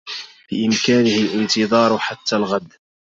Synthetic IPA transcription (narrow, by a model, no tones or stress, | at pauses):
b̥ɪʔɪmkaːnɪhɪlʔɪnt̪ɨðˤɑːɾˤʊħat̪ːalɣad̪